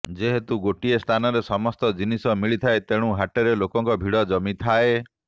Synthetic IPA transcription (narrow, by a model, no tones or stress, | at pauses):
d͡ʒeɦet̪uɡoʈiest̪ʰanɔɾesɔmɔst̪ɔd͡ʒinisɔmiɭit̪ʰaet̪eɽ̃ũɦaʈɔɾelokɔŋkɔbʱiɽɔd͡ʒɔmit̪ʰae